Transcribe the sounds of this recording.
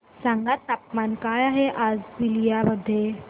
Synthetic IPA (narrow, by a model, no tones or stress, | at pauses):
sãŋɡat̪ːap̚mankajaɦeʔad͡zbilijabəd̪ʱːje